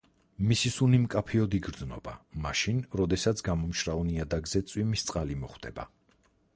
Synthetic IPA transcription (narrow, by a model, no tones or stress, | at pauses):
misisunimkʼapʰiɔd̪iɡɾd̪znɔ̰bamaʃinɾɔd̪ɛsat̪sʰɡamɔmʃɾavniad̪aɡzɛt̪sʼwimist̪sʼqʼalimɔχwd̪̥ɛ̰ba̰